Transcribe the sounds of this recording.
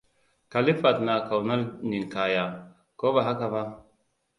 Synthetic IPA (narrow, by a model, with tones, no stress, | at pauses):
ka˨li˦fa˨t̪na˨ka˨wna˦lni˨nka˨ja˨ | ko˦ba˨ɦa˦ka˨βa˦